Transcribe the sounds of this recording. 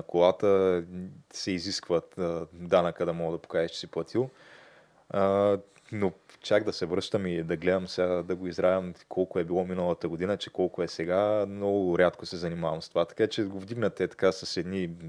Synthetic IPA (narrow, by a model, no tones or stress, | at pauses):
ɐkolˠat̪ə | sɛiziskvət̪ːd̪anəkəd̪ɐmɔɡd̪ɐpo̥kaʒɛʃt͡ʃɛ̥siplˠɐt̪ʰilˠ | not͡ʃaɡd̪ɐsɛvɾɤʃt̪əmid̪ɐɡlɛd̪ɐmsɛad̪ɐɡoizɾavʲɐmkʰɔlˠkʊɛbilˠɔminəlˠɐt̪əɡod̪inət͡ʃɛkɔlˠkʊɛsɛɡamnɔɡʊɾʲjat̪kosɛzɐnimavɐmst̪ovat̪ɐ̥kat͡ʃɛɡovd̪iɡnɐt̪ɛt̪ɐ̥kasɐsɛd̪ni